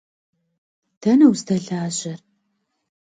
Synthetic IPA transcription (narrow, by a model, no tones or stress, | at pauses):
d̥ɐnɐwztʰɐɮaːʑɐr